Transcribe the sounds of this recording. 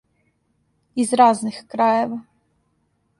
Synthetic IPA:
izɾaznixkɾajɛva

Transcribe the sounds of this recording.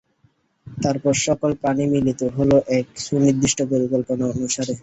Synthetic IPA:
t̪aɾpɔɾʃɔkolpanimilit̪oɦoloʔɛkʃunid̪ːiʃʈʰopoɾikolponaonuʃaɾe

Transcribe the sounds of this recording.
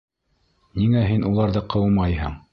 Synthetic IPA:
niŋæɦinʔulˠɑɾðɤqʰɤ̆wmɑjɦɤ̰ɴ

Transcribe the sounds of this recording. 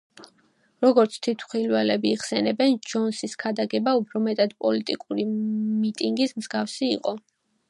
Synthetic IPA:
ɾɔɡɔɾt̪sʰt̪ʰit̪ʰχilwɛlɛbiːʁsɛnɛbɛnd͡ʒɔnsiskʰad̪aɡɛbaupʰɾɔmɛt̪ʼad̪pʼɔlit̪ʼikʼuɾimit̪ʼiŋɡismzɡafsiḭqʼɔ

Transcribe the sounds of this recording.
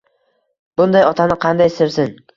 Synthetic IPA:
b̥ʊnd̪ajɒt̪ʰanɪqʰɑnd̪ajsɪɾsɪn

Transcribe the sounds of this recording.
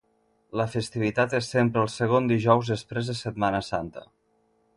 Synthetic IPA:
ləfəst̪iβit̪at̪esːempɾəːlˠsəɣond̪iʒɔwzðəspɾezðəsət̪manəsant̪ə̰

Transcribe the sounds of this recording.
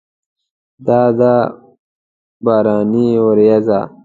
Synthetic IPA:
d̪aːd̪aː | baːɾaːniwɐɾjɐza̰ː

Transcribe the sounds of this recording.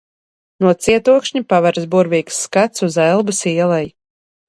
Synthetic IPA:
nuɔt̪siɛt̪uɔkʃɲipavaɾzbuɾviːksːkat̪suzɛlˠbɨsiɛlˠɛj

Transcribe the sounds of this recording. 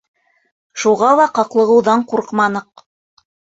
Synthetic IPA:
ʃuʁɑlˠɑqɑqlˠɤ̆ʁɤ̆wðɑɴquɾqmɑnɤq̚

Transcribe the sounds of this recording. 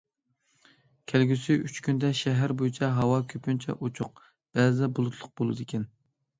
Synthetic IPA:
kʲʰælɡʲysiyt͡ʃkʲynd̪ɛʃɛɦæɾbojit͡ʃʰɛɦɑwɑkʲʰøpynt͡ʃʰɛ̰ʔot͡ʃʰʊq̚ | b̥ɛzɛbulˠʊt̪ʰlˠʊq̚bolˠɨd̪ɪkʲɛn

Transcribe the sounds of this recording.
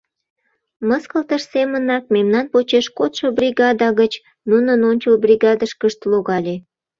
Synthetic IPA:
məskəlt̪əʃsemənɑk̚memnɑnpot͡ɕeʃkot̪ʃobrʲiɣɑd̪ɑɣət͡ɕ | nunənonʲt͡ɕəlbrʲiɣɑd̪əʃkəʃt̪loɣɑlʲe

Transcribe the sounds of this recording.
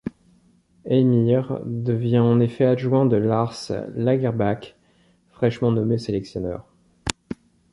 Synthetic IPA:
ɛmiʁd̪əvjɛ̃ɑ̃nefɛaʒwɛ̃d̪əlaʁslaɡɛʁbak | fχɛʃmɑ̃nɔmeselɛksjɔnœ̰ːʁ

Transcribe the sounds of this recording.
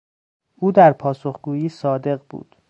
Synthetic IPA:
ʔuːd̪æɾpʰɒːso̞xɡuːjiːsɒːd̪e̞ɣbṵːd̪̥

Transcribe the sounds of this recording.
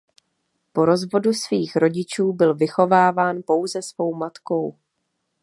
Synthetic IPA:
po̞ɾo̞zvo̞dusviːxɾo̞ɟɪt͡ʃuːbɪlvɪxo̞vaːvaːnpo̞wzɛsvo̞wmat̪ko̞w

